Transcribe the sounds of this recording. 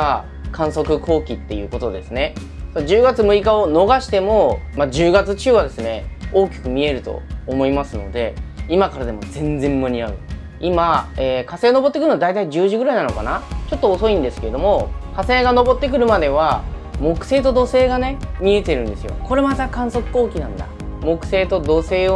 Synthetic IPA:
a | kʰãɰ̃so̞kɯ̟kʰo̞ːkʲit̪ːe̞jɯ̟̰ːko̞t̪o̞d̪e̞sɨne̞ | sonod͡ʑɨːɡat͡sɨmɯ̟ikao̞no̞ɡaɕi̥t̪e̞mo̞mad͡ʑɨːɡat͡sɨt͡ɕɨːβad̪e̞sɨne̞oːkʲi̥kɯ̟mʲie̞ɾɯ̟t̪o̞̰ːmo̞imasɨno̞̰d̪e̞imakaɾad̪e̞mo̞̰d͡zẽ̞nd͡zẽ̞mːɯ̟ɲ̟iaɯ̟ | imaeːkase̞ːono̞bo̞t̪ːekɯɾɯnad̪ait̪aid͡ʑɨːʑiɡɯɾainanokanat͡ɕo̞t̪ːoːso̞ĩnd̪e̞sɨ̥ke̞ɾed̪o̞mo̞kase̞ːɡano̞bo̞t̪ːe̞k̬ɯ̟ɾɯ̟mad̪e̞β̞a | mo̞kɯ̟̥se̞ːt̪o̞d̪o̞se̞ːɡane̞mʲie̞t̪e̞ɾɯ̟̃nd̪e̞sɨjo̞̰ko̞ɾe̞mat̪akãɰ̃so̞kɯ̥ko̞ːkʲinã̰nd̪a̰ | mo̞kɯ̟̥se̞ːt̪o̞d̪o̞se̞ː

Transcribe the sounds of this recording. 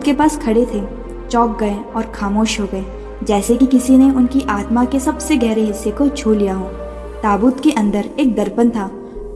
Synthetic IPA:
t̪kepaːskʰɐɽet̪ʰe | t͡ʃɔːk̚ɡɐeɔːɾxaːmoːʃɦoɡɐeː | d͡ʒɛːsekikɪsineʊnkiʔaːt̪makesɐbseɡɛɦɾeɦɪsːekot͡ʃʰoːlijaɦõː | t̪aːbuːt̪keʔɐ̃nd̪əɾeːk̚d̪ɐɾpənt̪ʰaː

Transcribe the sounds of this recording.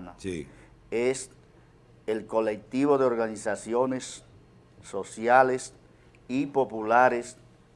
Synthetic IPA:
nasi | es | elko̞lek̚t̪iβo̞ðeoɾɣanisasjonesː | osjales | ipo̞pulaɾes

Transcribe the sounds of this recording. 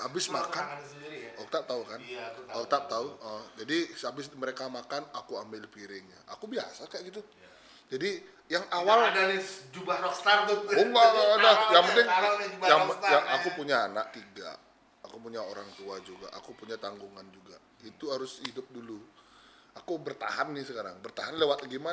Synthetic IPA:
abɪsmakaniɔk̚t̪ap̚t̪aukanɔk̚t̪ap̚t̪auʔəd͡ʒadiabɪsməɾekamakanakuambɪlpiɾɪŋɲa̰ʔakubia̰sakaʔɡit̪̬u | d͡ʒadi | jaŋawaldaɾid͡ʒubaɔkst̪ard̪ouŋɡadajaŋmənəŋjaŋjaŋakupuɲaːnaʔ̚t̪iɡa̰ | akupuɲaoɾaŋt̪uad͡ʒuɡa̰ʔa̰kupuɲat̪aŋɡuŋand͡ʒuɡa | it̪uɦaɾʊshidʊp̚dulu | akubərt̪a̰hanːɪsəkaɾaŋbərt̪aɦanlewat̪̚ɡima

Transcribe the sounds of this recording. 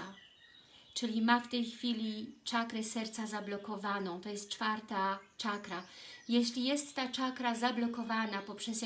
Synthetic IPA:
a | t͡ʂɘlʲimaft̪ɛjxfʲilʲit͡ʂakɾɛsɛɾt̪sazablɔkɔvanɔ̃w̃t̪ɔjɛst̪̚t͡ʂfaɾt̪at͡ʂakɾajɛɕlʲijɛst̪ːat͡ʂakɾazablɔkɔvanapɔpʂɛs

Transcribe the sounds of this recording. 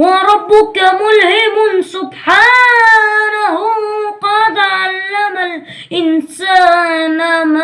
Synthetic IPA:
wɑɾˤɑbːʊkamʊlhɪmʊsʊbħaː | nahʊqɑːd̪ʕalːamal | ʔɪnsaːnama

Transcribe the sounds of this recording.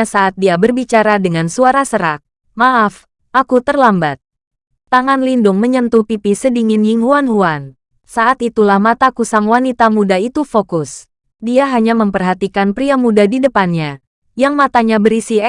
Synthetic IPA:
asaʔat̪̚diabərbit͡ʃaɾadəŋansuaɾasəɾak̚ | maʔaf | ʔakut̪ərlambat̪̚ː | aŋanlindʊŋməɲənt̪upipisədiŋɪnjɪŋhuanɦuan | saʔat̪it̪ulahmat̪akusaŋwanit̪amudait̪ufokʊs | diaɦaɲaməmpərɦat̪ikanpɾiamudadidəpanɲa | jaŋmat̪aɲabəɾisi

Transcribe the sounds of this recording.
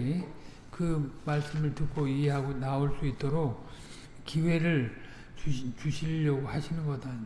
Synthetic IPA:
kɯmaɭs͈ɯmɯɭtɯk͈oieɦaɡonaoɭs͈uit͈oɾok̚ | kiwe̞ɾɯɭ | t͡ɕuɕʰiʎːʌɡohaɕʰinɯnɡʌda

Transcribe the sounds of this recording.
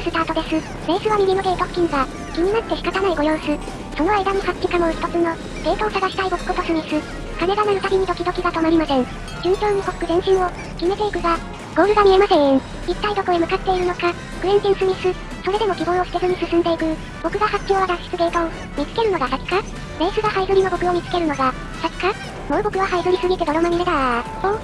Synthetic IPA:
sɨt̪aːt̪od̪e̞sɨ | be̞ːsɨβamʲimʲinoɡ̪e̞t̪okkʲːĩŋɡa | kʲiɲ̟inat̪ːe̞ɕi̥kat̪anaiɡo̞jo̞ːsɨ | so̞no̞aid̪anohakkʲikamoçi̥t̪o̞t͡sɨno̞ | ɡ̥̪e̞ːt̪aosaɡaɕi̥t̪aibo̞kɯ̟ko̞t̪o̞sɨɲ̟isɨ | kane̞ɡanaɯ̟t̪aɡʲiɲ̟id̪o̞kʲid̪o̞kʲiɡat̪o̞maɾʲimasẽ̞ŋ | t͡ɕɨ̃ŋkʲo̞ːnoko̞kkɯ̟zẽ̞ɰ̃ɕĩɰ̃o̞ | kʲime̞t̪e̞ikɯ̟ɡa | ɡo̞ːɾɯ̟ɡamʲie̞masẽ̞ | it̪ːaid̪o̞koemɯ̟kat̪ːe̞iɾɯ̟no̞ka | kɯ̟ɾẽnt̪ẽɰ̃sɨɲʲisɨ | so̞ɾe̞d̪e̞mo̞kʲibõ̞ɰ̃osi̥t̪ezɨɲ̟isɨsɨ̃nd̪e̞ikɯ̟ | b̥o̞kɯ̟ɡahakʲːo̞ːβaɡaɕi̥t͡sɨɡ̪e̞ːk̪ao | mʲit͡sɨ̥ke̞ɾɯno̞ɡasaki̥ka | ɾe̞ːsɨɡahaizɨɾino̞bo̞kɯ̟o̞mʲit͡sɨ̥ke̞ɾɯ̟no̞ɡa | saki̥ka | moɯ̟bo̞kɯ̟βaɦaizɨɾʲisɨɡʲit̪ed̪o̞ɾo̞mamʲid̪ed̪a

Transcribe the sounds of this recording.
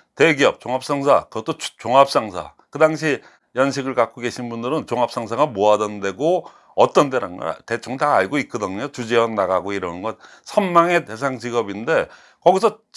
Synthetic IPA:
teɡiʌp̚t͡ɕoŋap̚s͈aŋs̬ʰakɯɡʌt͈ot͡ɕoŋap̚s͈aŋsʰa̰ | kɯdaŋɕʰi | jʌnɕʰiɡɯɭkak͈oɡe̞ɕʰinbundɯɾɯnt͡ɕoŋap̚s͈aŋsʰaɡamoadʌnnde̞ɡo | ʌt͈ʌnteɾa̰ŋɡʌ̰te̞t͡ɕʰoŋtaːɭɡoit̚k͈ʌdɯŋot͡ɕud͡ʑiʌnaɡaɡoiɾʌnnɡʌt̚ | sʰʌnmaŋe̞te̞s̬ʰaŋd͡ʑiɡʌbinde̞ | kʌɡisʰʌ

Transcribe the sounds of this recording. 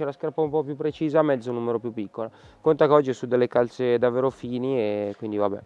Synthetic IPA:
ɛlaskarpaumpɔpjupːɾet͡ʃiːzaːmɛd̪zunuːmeɾopjupːikːolakont̪akeɔd͡ʒːiɛsud̪ːelːekalt̪sed̪avːeːɾofiːniekwind̪ivabɛ̰

